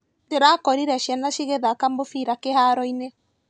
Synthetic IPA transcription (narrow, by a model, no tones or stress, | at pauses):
teɾakɔɾiɾɛʃiɛnaʃiɣeðakambofiɾakehaɾɔine